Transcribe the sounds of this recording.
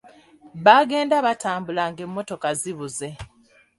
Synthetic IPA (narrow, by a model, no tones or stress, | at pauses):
βaɡe̞ːndaβataːmbulaŋɡe̞mːo̞to̞kaziβuze̞